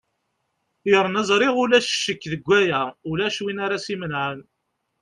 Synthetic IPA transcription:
jɾˤənæzˤɾˤiʁʊlæʃʃːəkːðəɡʷːæjæʊlæʃwinaɾasimənʕən

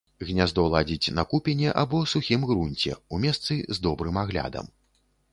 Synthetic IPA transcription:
ɣnʲazd̪ɔlˠad͡zʲit͡sʲnɐkupʲɛnʲɛʔabɔsuxʲimɣɾunʲt͡sʲɛ̰umʲɛst̪sɨzd̪ɔbɾɨmaɣlʲa̰d̪ɐ̰m

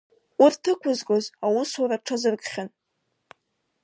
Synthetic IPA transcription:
urtʰɨkʷʰʊzɡʷʼozawusaɾaʈ͡ʂʰazɨrɡχʲan

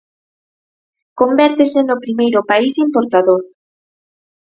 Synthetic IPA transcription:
kombɛɾt̪esenʊpɾimejɾʊpaisimpoɾt̪aðoɾ

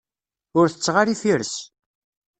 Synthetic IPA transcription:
ʊɾθə̥t͡sːʁaɾifiɾs

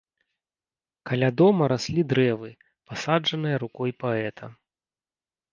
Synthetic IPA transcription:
kalʲad̪ɔmɐɾasʲlʲid̪ɾɛvɨ | pasad͡ʐɐnɨjɐɾukɔjpaɛt̪ʰɐ

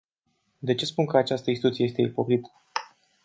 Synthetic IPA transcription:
d̪e̞t͡ʃe̞spunkəat͡ʃast̪əinst̪it̪ut̪siejest̪e̞ipo̞kɾit̪ə̥

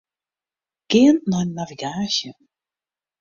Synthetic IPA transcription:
ɡ̥ɪːənnɔnːaviɡaːsjə

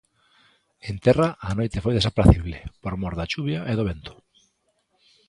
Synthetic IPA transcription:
ent̪ɛraʔanojt̪ɪfojðesapɾaθiβlepoɾmoɾðat͡ʃuβjaʔeðoβent̪ʊ̥

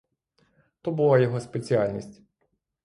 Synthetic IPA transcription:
t̪ɔbʊlˠɑjɔɦɔspet͡sʲialʲnʲisʲtʲ

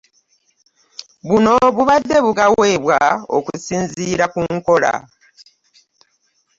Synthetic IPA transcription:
βuno̞βuβadːe̞βuɡawe̞ːβwao̰kusiːnziːɾakuŋko̞la̰

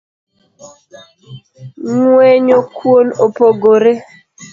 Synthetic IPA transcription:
ŋweɲokwonopoɡoɾe

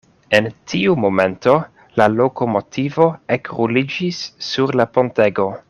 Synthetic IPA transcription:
entʰiumo̞me̞nto̞ | lalo̞ko̞mo̞tʰivo̞ekɾulid͡ʒisːuɾlapo̞nte̞ɡo̞

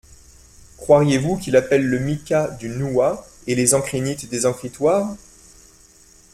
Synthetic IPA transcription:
kχwaʁjevukʲilapɛlːəmikʲad̪ynuaelezɑ̃kχinit̪d̪ezɑ̃kχit̪waʁ

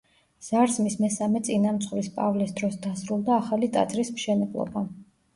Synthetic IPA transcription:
z̥aɾsmismɛsamɛt̪sʼinamt̪sʰχvɾispʼa̰vlisd̪ɾɔsd̪asɾulˠd̪aːχalit̪ʼa̰t̪zʼɾismʃɛnɛblˠɔ̰ba

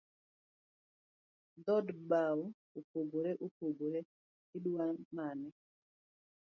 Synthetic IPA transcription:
dɔdbaw | upoɡoɾeʔupoɡoɾɛ | iɗuwanmanɛ

